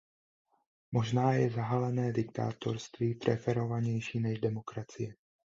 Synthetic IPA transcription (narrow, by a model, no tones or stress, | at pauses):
mo̞ʒnaːjɛzaɦalɛnɛːdɪk̚t̪a̰ːt̪o̞̰ɾst̪viːp̪ɾɛfɛɾo̞vaɲɛjʃiːnɛʒdɛmo̞kɾat͡sɪjɛ